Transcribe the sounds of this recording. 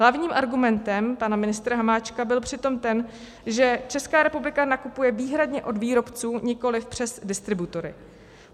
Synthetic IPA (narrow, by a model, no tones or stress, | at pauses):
ɦlavɲiːmʔaɾɡumɛnt̪ɛmpanamɪnɪst̪ɾaɦamaːt͡ʃkabɪlpr̝̥ɪt̪o̞mt̪ɛn | ʒɛt͡ʃɛskaːɾɛpublɪkanakupujɛviːɦɾadɲɛʔo̞dviːɾo̞pt͡suːɲɪko̞lɪfpr̝̥ɛzdɪst̪ɾɪbut̪o̞ɾɪ̰